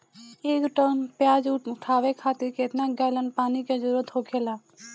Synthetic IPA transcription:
eːkʈəːnpjaːd͡ʒʊʈʰaːʋekʰaːt̪ɪɾkeːt̪naɡaːlənpaːniked͡ʒəɾuːɾət̪ɦokʰeːlaː

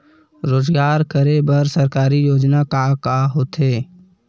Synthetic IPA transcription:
ɾoːzɡaːɾkəɾebɐɾsəɾkaːɾijoːd͡ʒnakakaɦoːt̪ɦeː

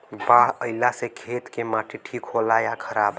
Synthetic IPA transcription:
baɦəɪlasekʰet̪kemaʈʰeʈʰikɦolajakʰəɾaːb

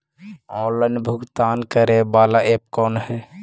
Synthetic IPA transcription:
ɔ̃ːlːənbʱʊɡt̪aːnkəɾebaːlaʔeːp̚kɔːnɦɛː

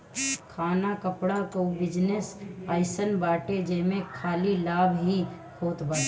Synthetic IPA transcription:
kʰaːnakəpɽakəubɪd͡ʒnesaːɪsənbaːʈed͡ʒeɦmẽkʰaːlilaːbʱɦi | kʰoːt̪bə

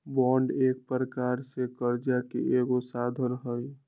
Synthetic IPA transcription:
bɔɳɖeːk̚pəɾəkaɾsekəɾd͡ʒakḛʔeɡosad̪ʱəɾɦəj

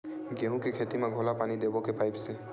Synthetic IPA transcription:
ɡeɦũkekʰet̪imeɡʱolapanid̪ebɔkepaɪpse

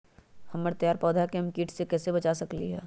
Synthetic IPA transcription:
hɐmːəɾt̪ɐjaːɾpɔːd̪ʱakemkiːʈsekɛːsebɐt͡ʃasɐkliɦɛ̰ː

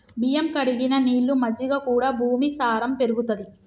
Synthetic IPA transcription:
bijɐmkɐɽiɡinɐniːɭːumɐd͡ʒ̪ːiɡaːkuːɽaːbʱuːmisaːɾɐmpe̞ɾuɡut̪ɐd̪i

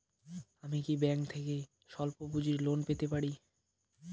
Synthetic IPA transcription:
amikibɛŋkt̪ʰeke | ʃɔlpopud͡ʑiɾlonpet̪epaɽi

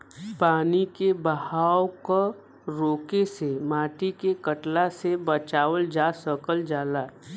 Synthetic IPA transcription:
paːnikebəhaːwko | ɾoːkesemaːʈikekəʈlasebət͡ʃaːʋəld͡ʒasəkəld͡ʒaːlaː

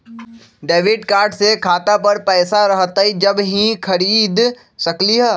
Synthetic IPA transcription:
ɖeːʋɪɖkaːɾɖsekʰaːt̪apɐɾpɛːsaɾɐɦt̪aɦid͡ʒɐbɦĩxʰɐɾiːd̪ | sɐkliɦɛː

